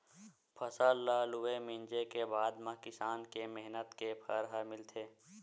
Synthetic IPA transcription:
pʰəsəllaːluemɪ̃nd͡ʒekebaːd̪mãkɪsaːnkemeɦnət̪kepʰəɾɦəmɪlt̪ʰeː

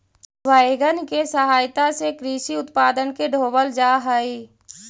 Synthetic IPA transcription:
ʋaːeɡənkesəɦaːjt̪asekɾiːʃiʊt̪paːd̪ənkeɖʱoːbəld͡ʒaːɦəi

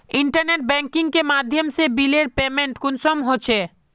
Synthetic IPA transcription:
iɳʈəɾneʈ̚bɛŋkiŋkemad̪ʱjomsebileɾpemeɳʈkunsomɦot͡ɕʰe

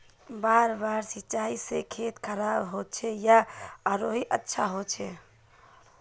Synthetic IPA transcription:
baɾbaɾsit͡ʃaisekʰet̪kʰəɾabɦot͡ʃʰɛjaəɾoɦiʔətːʃʰaɦot͡ʃʰɛ

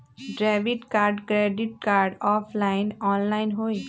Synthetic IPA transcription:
ɖɾaːʋɪʈkaːɾɖkɾeːɖɪʈ̚kaːɾɖɔːpʰlaːɪnɔːnlaːɪnɦoːi

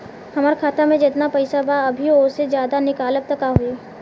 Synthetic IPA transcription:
hɐmaːɾkʰaːt̪amẽd͡ʒɪt̪napɐɪsabaɐbʱioːsed͡ʒjaːd̪anɪkaːləp̚t̪ɐkaɦueː

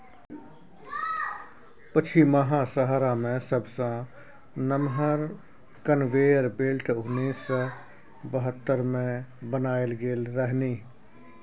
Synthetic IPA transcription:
pət͡ʃʰiməɦãsəɦɾamẽsəbsã | nəmɦəɾ | kənʋeːjəɾbeːlʈʰʊnːiːs | bəɦət̪ːəɾmẽbənaːelɡeːlɾəɦniː

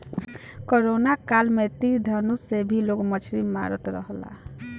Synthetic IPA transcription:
koɾonakalmet̪iɾd̪ʱənusebʱiloɡmət͡ʃʰɾimmːa̰ɾə̰t̪ɾə̰ɦla̰

